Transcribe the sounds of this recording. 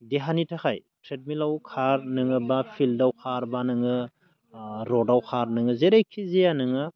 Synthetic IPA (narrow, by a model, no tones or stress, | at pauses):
deɦanitʰakʰaj | tʰɾet̚milawkʰaɾnɯŋɯbapʰildawkʰaɾbanɯŋɯ | ɾɔdawkʰaɾnɯŋɯzeɾajkʰizejanɯŋɯ